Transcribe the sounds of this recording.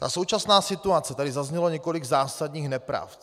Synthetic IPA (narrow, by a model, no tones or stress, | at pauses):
t̪a̰so̞wt͡ʃasnaːsɪt̪uat͡sɛt̪adɪzazɲɛloɲɛko̞liɡzaːsadɲiːxnɛpɾa̰f